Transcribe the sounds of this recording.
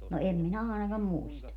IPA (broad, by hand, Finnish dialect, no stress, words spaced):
no em minæ ɑˑenɑkɑm muistɑ